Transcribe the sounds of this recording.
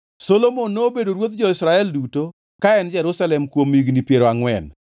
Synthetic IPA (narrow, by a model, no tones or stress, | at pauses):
solomonːoːbedoɾwot̪̚d͡ʒɔɪsɾaɛlduto | kaɛnd͡ʒɛɾusalɛmkwomiɡnipjeɾoaŋwɛn